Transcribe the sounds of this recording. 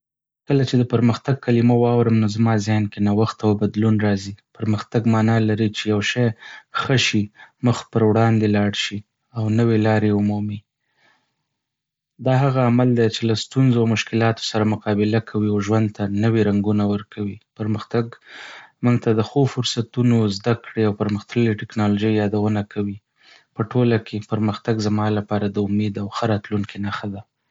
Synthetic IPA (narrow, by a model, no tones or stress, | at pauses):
kəlat͡ʃed̪əpəɾməxt̪aɡ̚kalimawɑwɾəmnozmɑzenkenawaxt̪awbad̪lunɾɑzipəɾməxt̪aɡmɑnɑlaɾit͡ʃejawʃɑjxəʃiməxpəɾwɽɑnd̪elɑɽʃi | awnəwelɑɾeumumi | d̪ɑɦaɣaːmald̪at͡ʃelast̪unzoawmʊʃkɪlɑt̪o̥saɾamʊqɑbɪlakʰawiawʒwand̪̚t̪anəweɾaŋɡunawəɾkʰawipəɾməxt̪aɡ | muŋɡ̚t̪ad̪əxofʊɾsat̪unozd̪akɽeawpəɾməxt̪əleʈɪknɑloʒəjjɑd̪awənakʰawi | pəʈolakʰepəɾməxt̪aɡzamɑlapɑɾad̪əʊmed̪awxəɾɑt̪luŋkʰenaxad̪a